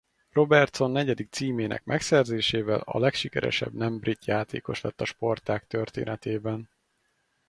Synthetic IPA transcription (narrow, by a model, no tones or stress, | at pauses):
ro̞bɛrt̪so̞nːɛɟɛd̪ik̚t̪siːmeːnʔɛ̰kmɛksɛrzeːʃeːvɛlɒ̰lɛkʃikɛɾɛ̰ʃɛ̰bnɛmbrit̪jaːt̪ḛːko̞ʃlɛt̪ːɒʃpo̞rt̪aːkt̪ørt̪ḛːnɛt̪eːbɛn